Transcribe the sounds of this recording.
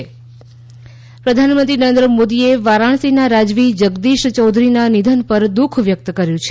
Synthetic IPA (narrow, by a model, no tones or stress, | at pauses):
pɾəd̪ʱanmənt̪ɾinəɾẽnd̪ɾəmod̪ieʋaɾaɳ̃sinaɾad͡ʒʋid͡ʒəɡd̪iʃt͡ʃɔwd̪ʱɾinanid̪ʱənpəɾd̪ukʰʋjək̚t̪kəɾjũt͡ʃʰ